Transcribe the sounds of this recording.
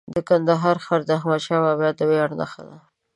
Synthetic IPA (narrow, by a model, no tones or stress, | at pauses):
d̪əkand̪aɦɑɾxaɾd̪axmaʃawabɑt̪ːəwejɑɽna̰xa̰d̪a